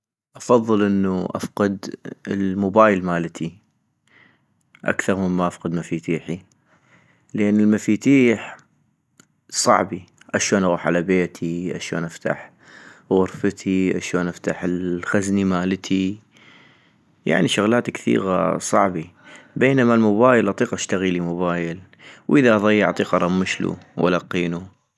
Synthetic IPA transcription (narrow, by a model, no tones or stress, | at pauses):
ʔɑfɑðˤːɨlʔɪnːuʔa̰fqɨd̪ə̰lmʊbaːjəlmaːlt̪ʰi | ʔa̰kθɑɾˤməmːaʔafqɨd̪mafiːt̪iːħi | lʔɪnːəlmafiːt̪iːħ | sˤɑ̰ʕbi | ʔaʃoːnʔɣuːħʕalabeːt̪ʰiʔaʃo̰ːnʔaft̪a̰ħ | ɣʊɾfət̪ʰiʔaʃoːnʔaft̪aħəlxaznimaːlt̪ʰi | ja̰ʕniʃʊɣlaːt̪kθḭːɣa̰sˤɑʕbibeːnamalmʊbaːjəlʔɑt̪ˤiːqʔaʃt̪aɣilimʊbaːjɪl | wʔəðaʔɑðˤɑjːɪʕɑt̪ˤiːqʔɑɾˤɑmːɪʃlṵwʔa̰lɑqːiːnu